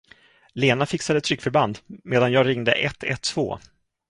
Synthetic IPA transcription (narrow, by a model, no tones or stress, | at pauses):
leːnafɪksad̪əɛt̪ʰːɾʏkːfœɾband̪meːd̪anjɑːɡɾɪŋd̪əʔɛt̪ʰːɛ̰t̪ʰːv̥o̰ː